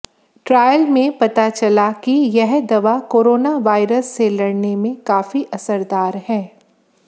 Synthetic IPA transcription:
ʈɾaːjəlmẽpɐt̪at͡ʃɐlakijɛɦd̪ɐʋakoːɾoːnaʋaːɪɾəsːelɐɽnemẽkaːfiʔɐsəɾd̪aːɾhɛː

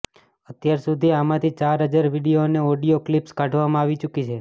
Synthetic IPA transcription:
ət̪jaɾsud̪ʱiamãt̪ʰit͡ʃaɾɦəd͡ʒaɾʋiɽijoneoɖijoklipskaʈʰʋamãaʋit͡ʃukit͡ʃʰe

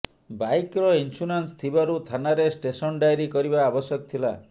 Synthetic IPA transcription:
bajkɾɔinsuɾanst̪ʰibaɾut̪ʰanaɾesʈesɔnɖajɾikɔɾibaːbɔsjɔkɔt̪ʰila̰

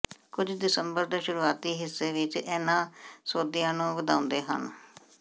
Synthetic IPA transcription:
kʊd͡ʒd̪ɪsəmbəɾd̪eːʃʊɾuːaːt̪iːɦɪsːeːʋɪt͡ʃɛːnãːsoːd̪ijãːnũːʋəd̪aːʊ̃nd̪eːɦə̰n

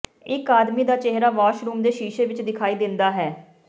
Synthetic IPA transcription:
ɪkaːd̪miːd̪aːt͡ʃeɦɾaːʋaːʃɾuːmd̪eːʃiːʃeːʋɪt͡ʃd̪ɪkʰaːiːd̪ɪnd̪aːɦɛː

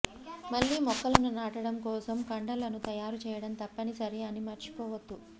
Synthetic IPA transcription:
mɐɭːiːmɔkːɐlɐnunaːʈɐɽɐmkɔːsɐmkɐɳɖɐlɐnut̪ɐjaːɾut͡ʃɛːjɐɽɐnt̪ɐpːɐnisɐɾeɐnimɐɾt͡ʃi̥pɔːʋɐd̪ːu

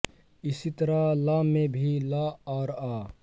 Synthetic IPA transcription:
ɪsit̪əɾalamẽbʱilaɔːɾaː

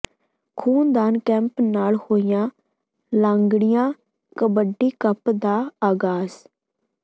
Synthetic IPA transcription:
kʰuːnd̪aːnkɛ̃ːmpnaːlhoːɪjãː | lãːŋɡɽɪjãː | kəbəɖːiːkəpd̪aːaːɡaːs

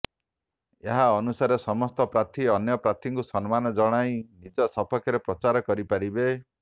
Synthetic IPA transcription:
eɦaɔnusaɾesɔmɔst̪ɔpɾat̪ʰiɔnjɔpɾat̪ʰiŋkusɔnmanɔd͡ʒɔɽ̃aj̃nid͡ʒɔsɔpʰɔkʰjɔɾepɾɔt͡ʃaɾɔkɔɾipaɾibe

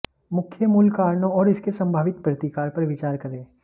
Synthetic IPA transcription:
mʊkʰːjəmʊlkaːɾɳõɔːɾɪskesɐ̃mbʱaːʋɪt̪pɾɐt̪ikaːɾpɐɾʋɪt͡ʃaːɾkɐɾẽː

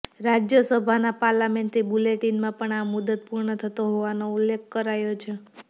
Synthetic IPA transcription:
ɾad͡ʒjəsəbʱanapaɾlameɳʈɾibuleʈinmãpəɳamud̪ət̪̚puɾɳət̪ʰət̪oɦoʋanoulːekʰkəɾajot͡ʃʰe

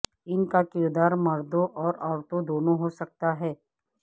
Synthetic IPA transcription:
ɪnkakɪɾd̪aːɾmɐɾd̪õʔɔːɾɔːɾt̪õd̪oːnõɦosɐk̚t̪aɦɛː

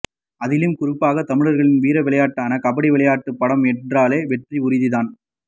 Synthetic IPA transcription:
ɐðɪlɪmkʊɾɪpːaːɣɐt̪ɐmɪɻɐɾɣɐɭɪnʋiːɾɐʋɪɭɐjaːʈːaːnɐkɐpɐɽiʋɪɭɐjaːʈːɯpːɐɽɐmɛnraːleːʋɛʈriʊɾɪðɪðaːn

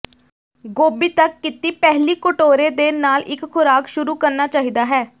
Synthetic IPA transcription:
ɡoːbiːt̪əkːɪt̪iːpɛɦliːkʊʈoːɾeːd̪eːnaːlʔɪkxʰʊɾaːkʃʊɾuːkəɾnaːt͡ʃaːɦiːd̪aːɦɛː

